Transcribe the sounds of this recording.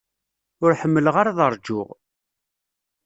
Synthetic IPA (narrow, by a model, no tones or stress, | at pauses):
ʊɾħəmːələʁaɾaðəɾˤd͡ʒʊʁ